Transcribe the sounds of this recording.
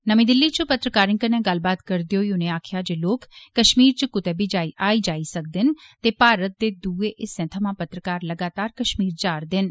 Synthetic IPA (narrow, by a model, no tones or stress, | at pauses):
nəmĩːd̪ɪlːit͡ʃəpət̪ɾəkaːɾɪ̃ŋkənẽɡəlbaːt̪kəɾd̪iɦoːiʊnẽaːkʰjad͡ʒeːloːkːəʃmiːɾt͡ʃəkʊt̪ɛːbid͡ʒaːiʔaːid͡ʒaːisək̚d̪ɪnt̪eːpaːɾət̪̚d̪eːd̪uːeʔɪsɛ̃ːt̪ʰəmãpət̪ɾəkaːɾləɡaːt̪aːɾkəʃmiːɾd͡ʒaːɾd̪ɪn